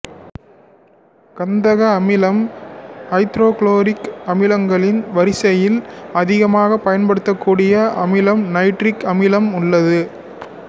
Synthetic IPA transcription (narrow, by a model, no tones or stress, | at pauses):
kɐnd̪ɐɣɐːmɪlɐmhɐɪt̪ɾoːkloːɾɪkɐmɪlɐŋɡɐɭɪnʋɐɾɪsɐjɪlɐðɪɣɐmaːɣɐpːɐjɐnpɐɽɯt̪ːɐkːuːɽɪjɐʔɐmɪlɐmnɐɪʈɾɪkɐmɪlɐmʊɭːɐðɯ